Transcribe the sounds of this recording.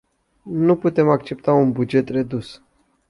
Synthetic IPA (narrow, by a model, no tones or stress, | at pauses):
nuput̪e̞mak̚t͡ʃe̞p̚t̪aunbud͡ʒe̞t̪re̞d̪us